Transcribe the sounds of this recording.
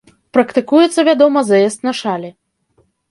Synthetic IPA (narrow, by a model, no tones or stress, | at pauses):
pɾɐkt̪ɨkujɛt̪sːɐvʲad̪ɔmɐzaɛst̪nɐʂalʲɛ